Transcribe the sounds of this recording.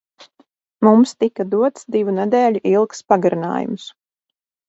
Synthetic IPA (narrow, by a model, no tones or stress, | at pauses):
mumst̪ikad̪uɔt̪sd̪ivunɛd̪ɛːʎʲuʔilˠkspaɡaɾina̰ːjṵms